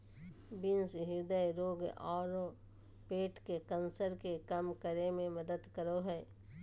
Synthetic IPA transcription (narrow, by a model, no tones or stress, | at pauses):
bɪnsɦɪɾd̪əjɾoːɡɔːɾo | peːʈkekənsəɾkekɐmkəɾemẽmɐd̪əd̪kəɾoɦɛː